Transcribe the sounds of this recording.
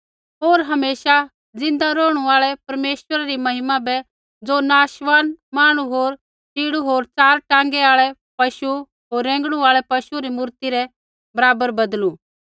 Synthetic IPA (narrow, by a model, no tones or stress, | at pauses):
ɦoːɾɦɐmeːʃa | d͡zɪ̃nd̪aɾoːɽ̃uaːɭɛpɐɾmeːʃwəɾaɾimɐɦɪmãbɛ | d͡zoːnaːʃʋaːnmaːɽ̃uɦoːɾ | t͡ʃiːɽuɦoːɾt͡saːɾʈãːŋɡɛaːɭɛ | pɐʃu | ɦoːɾːɛ̃ːŋɡɽ̃ũaːɭɛpɐʃuɾimuːɾt̪iɾɛ | bɐɾaːbəɾbɐd̪lu